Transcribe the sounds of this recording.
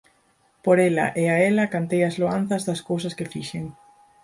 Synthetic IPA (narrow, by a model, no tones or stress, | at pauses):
poɾɛlɐ̰ʔeaɛlɐkant̪ejɐzloan̟θɐzðɐskowsɐskɪfiʃeŋ